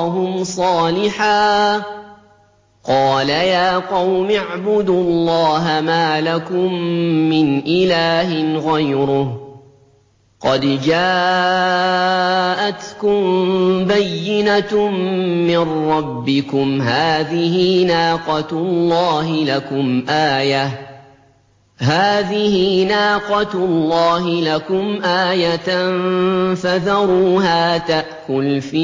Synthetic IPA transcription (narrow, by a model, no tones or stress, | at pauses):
ɦʊmsˤɑːlɪħaː | qɑːlajaːqɑwmɪʕbʊd̪ʊɑlːɑːɦamaːlakʊmːɪnʔɪlaːɦɪɣajɾʊh | qɑd̪d͡ʒaː | ʔat̪kʊmbajːɪnaː | ɪnːɑbːɪkʊmɦaːðɪhɪnaːqɑt̪ʊlːɑːɦɪlakʊmʔaːja | haːðɪhɪnaːqɑt̪lːɑːɦɪlakʊmʔaːjat̪nfaðɑɾˤuːɦaːt̪aʔkʊlfiː